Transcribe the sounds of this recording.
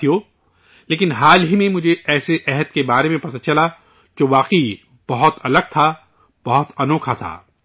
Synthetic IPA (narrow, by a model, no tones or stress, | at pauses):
ijoː | leːkɪnɦaːlɦimẽmʊd͡ʒʱeɛːseʔɛɦət̪̚kebaːɾemẽpɐt̪at͡ʃɐla | d͡ʒoːʋaːqi | b̥ɐɦʊt̪ɐləɡ̚t̪ʰa | b̥ɐɦʊt̪ɐnoːkʰat̪ʰa̰ː